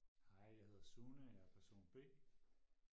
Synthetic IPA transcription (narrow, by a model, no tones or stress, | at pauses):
ɑɪ̰jäɪhe̝ð̞ˠsuːnəjapʰæɐso̝̰ːnb̥e̝̰ː